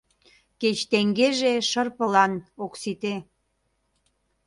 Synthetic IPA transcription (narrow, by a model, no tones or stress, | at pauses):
ket͡ɕt̪eŋɡeʒeʃərpəlɑnoksit̪e